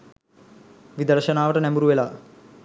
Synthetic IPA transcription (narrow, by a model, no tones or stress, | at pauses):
ʋid̪ɐɾʃɐnaːʋɐʈɐnembuɾuʋelaː